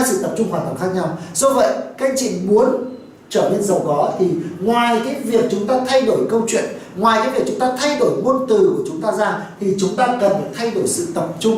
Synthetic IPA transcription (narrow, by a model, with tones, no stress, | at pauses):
sɨ̰˧˨t̪ə˨˩p̚t͡ɕʊ˧ŋ͡mxwaː˧˩t̪ʰə˧˩ŋxaː˦˥k̚ɲa˧wzo˧və̰˧˨jka˧jŋt͡ɕḭ˧˨ŋmu˨˦ən | t͡ɕəː˧˩ne˧nzə˨˩wɣɔ˨˦t̪ʰi˨˩ŋwaː˨˩jki˨˦vi˨˩ək̚t͡ɕʊ˨˦ŋ͡mt̪aː˧t̪ʰa˧jɗo˧˩jkə˧wt͡ɕwḭ˧˨ənŋwaː˨˩ja˨˦vi˨˩k̚t͡ɕʊ˨˦ŋ͡mt̪aː˧t̪ʰa˧jɗo˧˩jmu˧ənt̪ɨ˨˩ku˧˩ət͡ɕʊ˨˦ŋ͡mt̪aː˧zaː˧ŋt̪ʰi˨˩t͡ɕʊ˨˦ŋ͡mt̪aː˧kə˨˩n˨˩t̪ʰa˧jɗo˧˩jsɨ̰˧˨t̪ə˨˩p̚t͡ɕʊ˧ŋ͡m